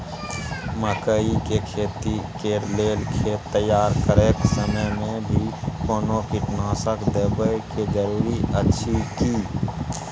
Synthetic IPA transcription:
məkəikekʰeːt̪ikeleːlkʰet̪əjaːɾkəɾeksəməmẽbʱikoːnokɪʈnãːsəkd̪əbəjked͡ʒəɾuːɾiʔətːʃʰiki

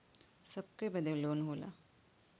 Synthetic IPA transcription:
sɐb̚kebɐd̪ʱeloːnɦoːla̰ː

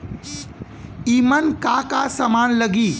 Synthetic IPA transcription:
imənkakasəmaːnləɡiː

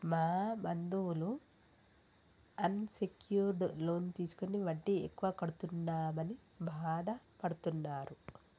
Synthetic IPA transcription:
maːbɐnd̪ulu | ɐnsekjuːɾɖlo̞ːnt̪iːsu̥koniʋɐɳʈːiekːuʋaːkɐɽut̪unːaːmɐni | bʱaːd̪ʱɐ | pɐɽut̪unːaːɾu

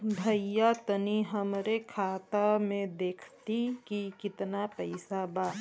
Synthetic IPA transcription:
bʱəjːat̪əniɦəmɾekʰaːt̪amẽd̪eːkʰt̪ikikɪt̪napəɪsaba

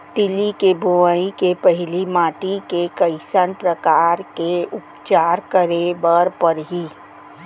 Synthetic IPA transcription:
ʈɪlikebʱuʋəikepəɦɪlimaːʈikekəɪsənpɾəkaːɾkeʊpt͡ʃaːɾkəɾebəɾpəɾɦiː

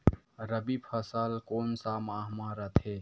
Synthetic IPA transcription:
ɾəbipʰəsəlkoːnsaːmaːɦmaːɾət̪ɦeː

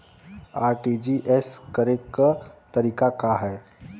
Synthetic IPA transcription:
aɾʈid͡ʑiːʔeskəɾekːt̪əɾiːkakaɦɛ

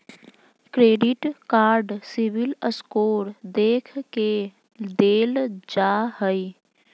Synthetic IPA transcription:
kɾeːɖɪʈkaːɾɖsibɪləskoːɾd̪eːkʰke | d̪eːld͡ʒaɦəi

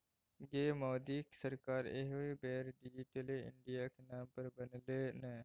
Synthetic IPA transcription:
ɡeːmɔːd̪iːksəɾkaːɾḛɦoibɛːɾɖid͡ʒiːʈeleɪ̰ɳɖijakenaːmpɐɾbɐnleːnɛː

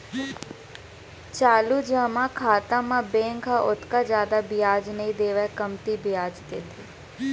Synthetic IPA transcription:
t͡ʃaːlud͡ʒəmãkʰaːt̪ãmãbẽːŋkaʔot̪kad͡ʒjaːd̪abɪjaːd͡ʒnəɦĩd̪eːʋekəmt̪ibɪjaːd͡ʒt̪eːt̪ʰiː

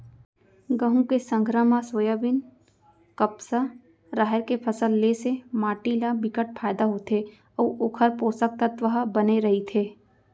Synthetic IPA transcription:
ɡəɦũkesə̃ŋɡʱɾəmasoːjabɪn | kəpsa | ɾaːɦɪɾkepʰəsəlːesemaːʈilabɪkəʈ̚pʰaːɪd̪aɦot̪ʰe | ɔːʔoːkʰəɾpoːsək̚t̪ət̪ʋɐɦbɐneɾɐɦit̪ʰeː

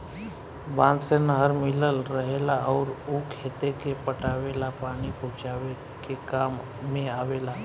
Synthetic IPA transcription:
bãnsenəɦəɾmiləlɾəɦelaəʊɾukʰet̪ekepəʈaʋelapaɽ̃iput͡ʃaʋe | kekamː | ẽaʋela

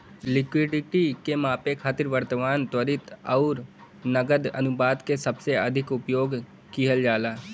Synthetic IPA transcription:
lɪkwɪɖɪʈikemãːpekʰaːt̪ɪɾʋəɾt̪maːnt̪wəɾɪt̪ɔʊɾ | nəɡəd̪ɐ̰nʊbaːd̪kesəbseɐd̪ʱɪkʊpjoːɡ | kiɦəld͡ʒaːlaː

